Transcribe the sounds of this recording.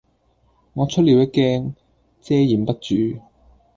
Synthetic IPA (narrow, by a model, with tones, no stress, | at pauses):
ŋɔː˨˧t͡ʃʰɵ˥t̚li˨˧wjɐ˥kːɛː˥ŋ | t͡sɛː˥jiː˨˩mpɐ˥t̚t͡ʃyː˨˧